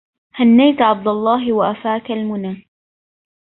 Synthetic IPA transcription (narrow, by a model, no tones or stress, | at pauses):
hanːajt̪ʕɑb̚d̪ɑlˤːɑːɦɪwaʔafaːkalmʊnaː